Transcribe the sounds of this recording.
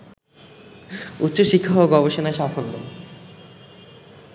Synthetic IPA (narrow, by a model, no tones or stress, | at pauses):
ut̪ːɕoʃikʰːaɦoɡɔboʃonaeʃafolːo